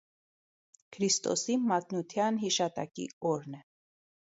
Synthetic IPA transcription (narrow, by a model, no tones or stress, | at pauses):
kʰɾist̪ɔ̰simɑt̪nut̪ʰjɑnɦiʃɑt̪ɑkḭɔɾnɛ